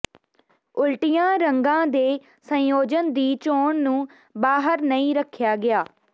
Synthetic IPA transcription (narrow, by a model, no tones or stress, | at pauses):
ʊlʈɪjãːɾəŋɡãːd̪eː | sə̃joːd͡ʒənd̪iːt͡ʃoːɳnũː | baːɦəɾnəĩːɾəkʰːjaːɡɪjaː